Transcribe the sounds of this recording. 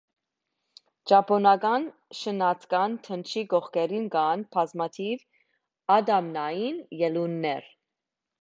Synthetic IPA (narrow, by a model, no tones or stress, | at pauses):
d͡ʒɑpʰɔnɑɡɑnʃənɑt͡sʰkɑnt̪ʰənt͡ʃʰiɡɔχkɛɾinɡɑnpʰɑzmɑt̪ʰiv | ɑd̪ɑmnɑjinjɛlunːɛɾ